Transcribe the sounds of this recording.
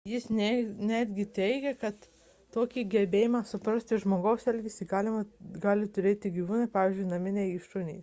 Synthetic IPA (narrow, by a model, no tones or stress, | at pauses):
jɪsnʲɛnʲæːd̪ʲɡʲɪt̪ʲɛɪɡʲɛkɐt̪ː | oːkʲiɡʲɛbʲeːjɪmɑːsʊpɾɐsʲt̪ʲɪʒmoːɡɐʊsɛlʲɡʲɪsʲɪɡɑːlʲɪmɐɡɑːlʲɪt̪ʊɾʲeːt̪ʲɪɡʲiːʋuːnɐɪpɑːʋʲiːzʲd͡ʒʲʊɪnɐmʲɪnʲɛɪiʃtʊnʲɛ̰ːs